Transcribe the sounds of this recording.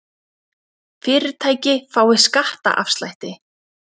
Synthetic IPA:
fɪːɾɪɾ̥t̪ʰaːjcɪfaːwɪskaht̪a̰ʔa̰fst̪la̰jht̪ɪ

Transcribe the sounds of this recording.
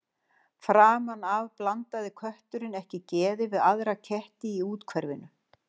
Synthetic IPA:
fɾaːmanavplant̪aðɪkʰœht̪ʏɾɪnɛhcɪcɛːðɪvɪðaðɾacʰɛht̪ɪiuːt̪kʰvɛɾvɪ̰nʏ

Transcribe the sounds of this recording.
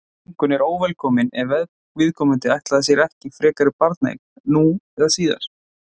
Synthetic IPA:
ŋ̥kʏnɛɾoːwvɛlkʰɔːmɪnɛɾvɛð | vɪðkʰɔːmʏɪnt̪ɪajht̪laðasjɛɾɛhcɪfɾɛːkaɾɪpaɾt̪naḭkn | nuɛðasiːða̰ɾ̥

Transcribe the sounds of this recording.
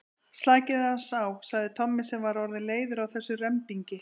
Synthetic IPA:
st̪laːcɪðasaːwsaɣðɪt̪ʰɔmːɪsɛmvaɾɔɾðɪleːjðʏɾawθɛsːʏrɛmt̪iɲcɪ

